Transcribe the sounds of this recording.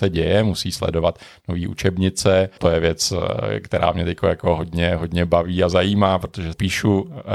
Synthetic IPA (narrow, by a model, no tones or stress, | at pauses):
sɛɟɛjɛmusiːslɛ̰do̞vat̪ | no̞viːʔṵt͡ʃɛbɲɪt͡sɛt̪ojɛvjɛt͡skt̪ɛɾa̰ːmɲɛt̪ɛckojakoɦo̞dɲɛɦo̞dɲɛbaviːazajiːmaːpɾot̪oʒɛpiːʃu